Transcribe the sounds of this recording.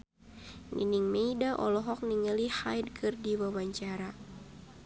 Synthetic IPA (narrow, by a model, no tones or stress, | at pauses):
nʔḭniŋmeidaʔɔ̰lɔɦɔk̚niŋəlihajd̚kʰɨrdiwawaɲt͡ʃaɾa